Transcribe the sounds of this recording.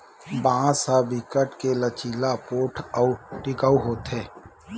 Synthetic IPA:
bãːsabɪkəʈkelət͡ʃiːlapoːʈʰəuʈɪkəuɦoːt̪ɦeː

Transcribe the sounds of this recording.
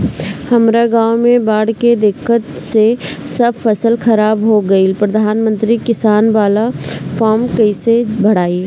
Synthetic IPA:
hɐmɾaɡãːwmẽbaːɽked̪ɪkːət̪sesɐbfɐsəlxɐɾaːbɦoɡɐipɾɐd̪ʱaːnmə̃nt̪ɾikɪsaːnʋaːlafaːɾmkɐisebʱɐɽaːi

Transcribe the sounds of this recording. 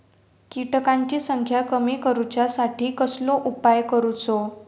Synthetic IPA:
kiʈkãɲt͡ɕisəŋkʰjakəmikəɾut͡ɕjasaʈʰiːkəsloʔupajkəɾut͡so

